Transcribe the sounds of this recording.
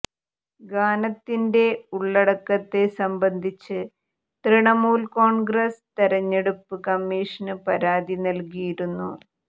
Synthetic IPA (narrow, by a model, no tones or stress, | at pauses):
ɡaːnɐt̪ːinde̞uɭːɐɽɐkːɐt̪ːe̞sɐmbɐnd̪ʱit͡ɕːɨ | t̪riɳɐmuːlko̞ːɳɡrest̪eɾɐɲːeɽupːɨkɐmːiːʂɐnɨpɐɾaːðinɐlkijiɾunːu